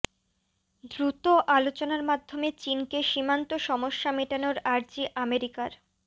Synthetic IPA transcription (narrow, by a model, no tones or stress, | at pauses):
d̪ɾut̪oʔalot͡ɕonaɾmad̪ʱːomet͡ɕinkeʃimant̪oʃɔmoʃːameʈanoɾaɾd͡ʑiʔameɾikaɾ